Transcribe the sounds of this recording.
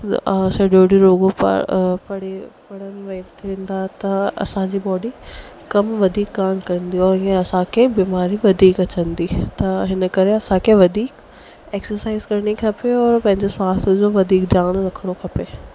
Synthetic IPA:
seːɖoːɖiɾoːɡoppɐɽ̤epɐɽənʋɐt̪ʰiẽːnd̪at̪ɐɐ̰sãd͡ʑiːbɔːɖi | kɐmʋɐd̪ʱiːk̚ɡaːmkɐɾənd̪ijoẽɐsãkʰebiːmaːɾiʋɐd̪ʱiːkɐt͡ɕənd̪it̪ɐɦɪnə̆kɐɾeɐsãkʰeʋɐd̪ʱiːk | eːksəɾsaːɪzkɐɾɽ̃ikʰɐpeɔːɾpɐ̃ɦɪ̃ɲd͡ʑeswaːt̪d͡ʑoːʋɐd̪ʱiːkd̪ʱjaːɽ̃ɾɐkʰəɽ̃okʰɐpeː

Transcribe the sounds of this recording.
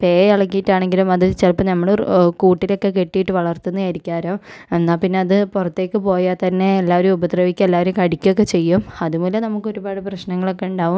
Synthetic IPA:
pe̞ːjɐɭɐkːijiʈːaːɳe̞ŋɡilumɐðɨt͡ɕelpːɐnɐmːɐɭkuːʈːilo̞kːe̞ke̞ʈːijiʈːɨʋɐɭɐrt̪unːɨjɐɾikʲːaːɾoːe̞nːaːpinːe̞ɐðɨpurɐt̪ːe̞ːkːɨpo̞ːjat̪ɐnːe̞ːlːaːʋɐɾumubɐd̪rɐʋikʲːuelːaːʋɐɾumkɐɽikʲːok̬ːe̞t͡ɕe̞jːumɐðumuːlɐnɐmukːo̞ɾubaːɽɨprɐɕnɐŋːɐɭo̞kːe̞uɳɖaːʋum

